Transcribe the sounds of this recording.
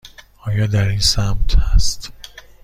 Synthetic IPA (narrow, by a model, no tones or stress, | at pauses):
ɒːjɒːd̪æɾiːnsæmt̪ʰhæst̪